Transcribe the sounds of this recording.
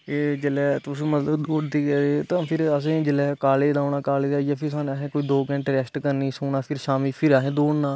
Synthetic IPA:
eːd͡ʒəlɛːt̪ʊsːmət̪ləbd̪oːɽd̪iːkɛːɾeːt̪ãːpʰɪɾəs̬ẽːd͡ʒəlɛːkaːleːd̪aːɳaːkaːleːd̪aːijaːpʰɪɾsaːnaːɦẽːkoiːd̪oːkɛ̃ɳʈɾɛːsʈkəɾniːsoːɳaːpʰɪɾʃaːmiːpʰɪɾaːɦẽːd̪oːɽnaː

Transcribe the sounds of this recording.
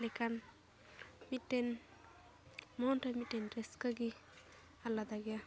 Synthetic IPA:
lɛkan | mitːen | mɔnʈamitenɾeskaɡi | alad̪aɡija

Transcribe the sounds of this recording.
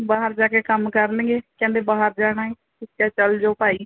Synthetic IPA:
baːɦəɾd͡ʒaːkekəmkəɾlẽːɡekɛ̃ːnd̪ebaːɦəɾd͡ʒaːɽ̃aɦɛ | ɪskat͡ʃəld͡ʒoːpaːi

